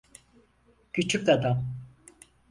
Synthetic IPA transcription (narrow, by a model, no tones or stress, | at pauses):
cyt͡ʃʰykad̪am